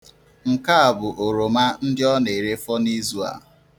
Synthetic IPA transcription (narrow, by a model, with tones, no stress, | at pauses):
ŋ̩˨ka˦a˨bʊ˨ʔo˨ɾo˨ma˦n̩˦dɪ˦ɔ˦ne˨ɾe˦fɔ˦ni˦zu˦a̰˨